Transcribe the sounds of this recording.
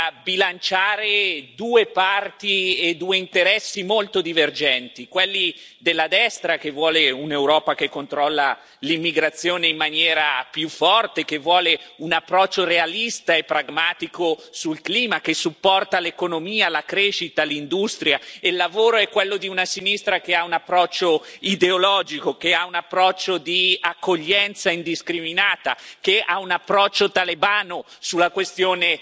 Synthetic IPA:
abilant͡ʃaːɾed̪uːepart̪ied̪uːeint̪eɾɛsːimolt̪od̪iverd͡ʒɛnt̪ikwelːid̪elːad̪ɛst̪ɾak̟evːwɔːleunewɾɔːpakekːont̪ɾɔlːa | limːiɡɾat̪sːjoːneimːanjɛːɾapjufːɔrt̪ekevːwɔːleunapːɾɔt͡ʃːorealist̪aepːɾaɡmaːt̪ikosulkliːmakesːupːɔrt̪alekonomiːalakɾeːʃit̪alind̪ust̪ɾjaelːavoːɾoɛkːwelːod̪iunasinist̪ɾakeaunapːɾɔt͡ʃːoid̪eolɔːd͡ʒikok̟eaunapːɾɔt͡ʃːod̪iakːoʎːɛnt̪saind̪iskɾiminaːt̪akeaunapːɾɔt͡ʃːot̪alebaːno | sulːakwest̪joːne

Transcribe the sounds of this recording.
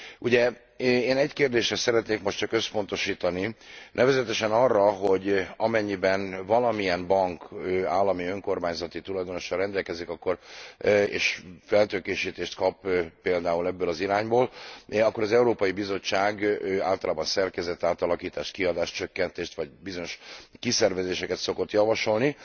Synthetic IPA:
uɟɛ | eːnɛɟkeːrd̪eːʃrɛsɛɾɛt̪neːkmo̞ʃtt͡ʃɒkø̞spo̞nt̪o̞ʃiːt̪ɒninɛvɛzɛt̪ɛʃɛnɒrːɒɦo̞ɟɒmɛɲːibɛnvɒlɒmijɛnbɒŋkøːaːlːɒmiøŋko̞rmaːɲzɒt̪it̪ulɒjd̪o̞no̞ʃɒrrɛnd̪ɛlkɛzikɒkːo̞r | ḛːʃfɛlt̪økeːʃiːt̪eːʃt̪kɒpːeːld̪aːulɛbːøːlɒziɾaːɲboːlɒkːo̞ɾɒzɛuɾoːpɒjibizo̞t͡ʃːaːɡøːa̰ːlt̪ɒlaːbɒnsɛrkɛzɛt̪ːaːt̪ɒlɒkiːt̪aːʃt̪kiɒd̪aːʃt͡ʃø̞kːɛnt̪eːʃt̪ʋɒɟbizo̞ɲo̞ʃkisɛrvɛzeːʃɛkɛt̪so̞ko̞t̪jɒvɒʃo̞lni

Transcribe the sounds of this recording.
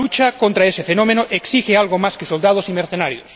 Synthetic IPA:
ut͡ʃakont̪ɾaesefenomẽnoʔeksixealɣomaskesold̪að̞osimeɾθenaɾjo̰s

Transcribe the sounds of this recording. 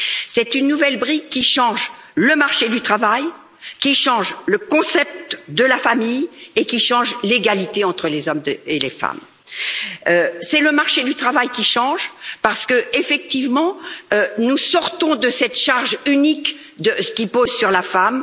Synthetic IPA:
sɛt̪ynːuvɛlbʁikkʲːiʃɑ̃ʒləmaʁʃed̪yt̪χavaj | kʲiʃɑ̃ʒləkɔ̃sɛp̚t̪d̪əlafamijekʲiʃɑ̃ʒleɡalit̪eɑ̃t̪χəlezɔmelefa̰m | øsɛləmaʁʃed̪yt̪χavajkʲiʃɑ̃ʒpaʁsə̥kəefɛk̚t̪ivmɑ̃ønusɔʁt̪ɔ̃d̪əsɛt̪ʃaʁʒynik | d̪əkʲipozsyʁlafam

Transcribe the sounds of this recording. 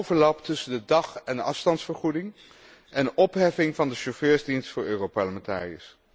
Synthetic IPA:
wvəɹlɑptɵsəndədɑχɛndəʔɑfstɑntsfəɹχudɪŋ | ʔɛnʔɔpɦɛfɪŋvɑndəʃoføːɹzdinstfʊːɹøːropɑɹləmɛnta̰ːriə̰s

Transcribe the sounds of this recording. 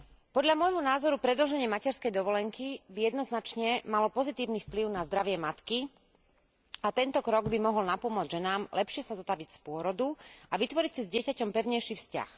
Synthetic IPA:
pɔd̪ʎamɔjɦɔnaːzɔɾupɾɛd̪l̩ʒɛɲɪɛmacɛɾskɛjd̪ɔʋɔlɛŋkibijɛd̪nɔznat͡ʃɲɛmalɔpɔzit̪iːʊnifpliʊnazd̪ɾaʋɪɛmat̪ki | at̪ɛnt̪ɔkɾɔɡbimɔɦɔlnapɔmʊɔd͡zʒɛnaːmlɛpʃɪɛsazɔt̪aʋicspʊɔɾɔd̪uaʋit̪ʋɔɾicsizɟɪɛcacɔmpɛʊɲɛjʃifsca̰x

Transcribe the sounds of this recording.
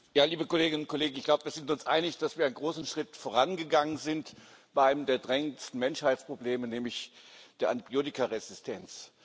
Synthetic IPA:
jaːliːbəkoleːɡɪnʊntkʰoleːɡŋ̩ɪçɡ̥laʊbəviːɐzɪntʊnsʔa̰ɪnɪçd̥asv̥iːɐaɪnɡʁoːsn̩ʃʁ̥ɪtfoːɐʁ̞anɡəɡaŋənzɪnt | b̥aɪʔaɪnəmdeːɐdʁɛŋənstn̩mɛnʃhaɪt͡spʁ̥obleːmənɛːmlɪçd̥eːɐʔa̰ntib̥joːtɪkaʁɛzɪstʰɛnt͡s

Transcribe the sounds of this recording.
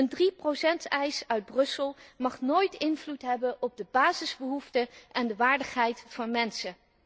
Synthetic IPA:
əndriprowsɛntɛjsœɥd̚brɵsəlˠmɑχnojtɪnvlutɦɛbənʔɔb̚dəbaːzɪzbəɦuftəʔɛndəʋaːɹdəχɦɛjtfɑnmɛnsə

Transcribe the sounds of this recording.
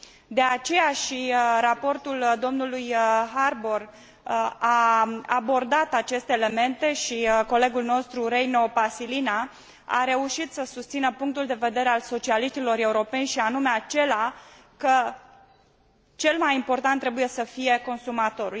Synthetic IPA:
d̪e̞at͡ʃe̞jaʃiɾapo̞rt̪uld̪o̞mnulujɦarbor | aabo̞rd̪at̪at͡ʃe̞st̪e̞ːle̞me̞nt̪e̞ʃiko̞leɡulno̞st̪ɾuɾejno̞pasilina | a̰ɾe̞uʃit̪səsust̪sinəpuŋk̚t̪uld̪e̞ve̞d̪e̞ɾe̞also̞t͡ʃialiʃt̪ilo̞ɾe̞uɾo̞pe̞nʲʃianume̞at͡ʃe̞la | kə | t͡ʃe̞lmajimpo̞rt̪ant̪ːɾe̞buje̞səfije̞ko̞nsumat̪o̞ɾu

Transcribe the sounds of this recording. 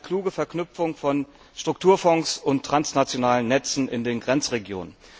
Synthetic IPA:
kʰl̥uːɡəfɛɐknʏpfʊŋfɔn | ʃtʁ̥ʊk̚tʰuːɐfɔŋsʊntʰːʁ̥ansnat͡sjonaːlənːɛt͡sn̩ʔɪ̰ndeːnɡʁɛnt͡sʁeɡjo̰ːnən

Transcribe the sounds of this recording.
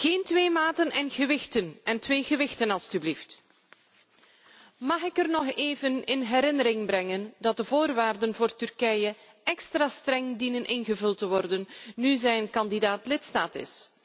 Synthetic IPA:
xeːntʋeːmaːtənɛnɣəʋɪxtənɛntʋeːɣəʋɪxtənɑlˠstyblift | mɑxɪkərnɔχeːvənɪnɦɛɾɪnəɾɪŋbrɛŋəndɑt̚dəvoːrʋaːrdənvʊːrtʏrkɛjə | ɛkstraːstrɛŋdinənʔɪnɣəvɵlˠtəʋɔrdənːyzɛjənkɑndidaːtlɪtstaːtɪ̰s

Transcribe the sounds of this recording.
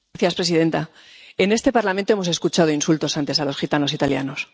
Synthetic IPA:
θjaspɾe̞siðe̞nt̪a | e̞nest̪e̞paɾlamẽnt̪oemo̞s̬e̞skut͡ʃað̞oinsult̪o̞sant̪e̞salo̞sxit̪ano̞sit̪alja̰no̞s

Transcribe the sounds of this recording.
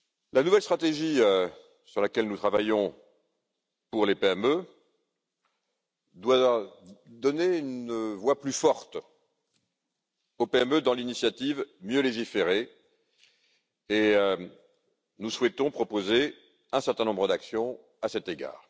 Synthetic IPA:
lanuvɛlst̪χat̪eʒiø | syʁlakʲɛlnut̪χavajɔ̃ | puʁlepeɛmø | d̪wa | d̪ɔneynvwaplyfɔʁt̪ | opeɛmød̪ɑ̃linisjat̪ivmjøleʒifeʁe | eø | nuswɛt̪ɔ̃pχɔpoze | ɛ̃sɛʁt̪ɛ̃nɔ̃bʁəd̪aksjɔ̃ | asɛt̪eɡa̰ːʁ

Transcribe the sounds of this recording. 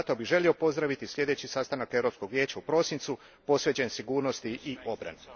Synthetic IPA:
t̪o̞biʒe̞lio̞po̞zd̪ɾaʋit̪islʎʲje̞d̪e̞t͡ɕisast̪anakeɾo̞psko̞ɡʋjeːt͡ɕaupɾo̞ːsint̪su | po̞sʋe̞t͡ɕensiɡuːɾnost̪iiobɾa̰ne

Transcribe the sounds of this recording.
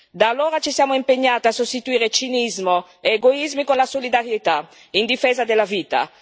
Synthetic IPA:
d̪aːloːɾat͡ʃisjaːmoimpeɲːaːt̪iasost̪it̪uiːɾet͡ʃinizmo | eːɡoizmikonlasolid̪aɾjet̪a | ind̪ifɛːzad̪elaviːt̪a̰

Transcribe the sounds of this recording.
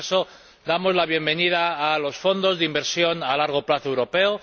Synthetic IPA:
so̞ | d̪amo̞zlaβ̞je̞mbe̞nið̞aːlo̞sfo̞nd̪o̞zðeimbe̞ɾsjo̞nalaɾɣ̞o̞plaθoewɾo̞pe̞o

